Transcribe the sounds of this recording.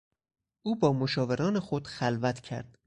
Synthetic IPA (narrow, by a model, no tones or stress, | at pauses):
ʔuːbɒːmoʃɒːve̞ɾɒːnexod̪̥xælvæt̪ʰcʰæ̰ɾd̪̥